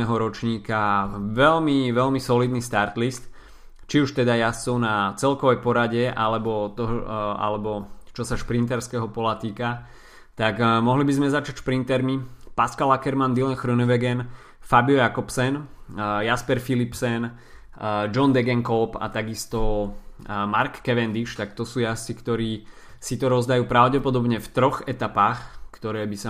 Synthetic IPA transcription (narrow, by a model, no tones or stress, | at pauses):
ɛɦɔɾɔt͡ʃɲiːkaʋɛlmiʋɛlmisɔliːd̪nist̪aɾt̪list̪ | t͡ʃiuʃt̪ɛd̪ajasɔnat͡sɛlkɔʋɛjpɔɾaɟɛʔa̰lɛbɔt̪ɔɦa̰lɛbɔt͡ʃɔsaʃpɾint̪ɛɾskɛɦɔpɔlat̪iːka | t̪aɡmɔɦlibizmɛzat͡ʃacʃpɾint̪ɛɾmipaskalakɛɾmand̪ilɛnxɾunɛʋɛɡɛn | fabijɔjakɔpsɛnjaspɛɾfilipsɛn | d͡ʒɔnd̪ɛɡɛŋkɔlpa̰t̪aɡist̪ɔ | maɾkːɛʋɛnd̪iʃt̪akt̪ɔsuːjast͡sikt̪ɔɾiː | sit̪ɔɾɔzd̪ajuːpɾaʊɟɛpɔd̪ɔbɲɛft̪ɾɔɣɛt̪apaːxkt̪ɔɾɛːbisa